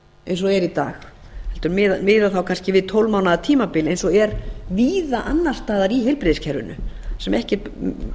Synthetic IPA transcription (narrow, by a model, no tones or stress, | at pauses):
ejns̬ɔɛɾit̪a̰ːx | hɛlt̪ʏɾmɪðmɪːðaθawkʰanscɪvɪðt̪ʰowlmawnaðat̪ʰiːmapɪːlejnsɔɛɾviːðaʔanːar̥st̪aːðaɾiɦejlpɾɪðscʰɛɾvʏ̰nʏ̰sɛmɛhcɪ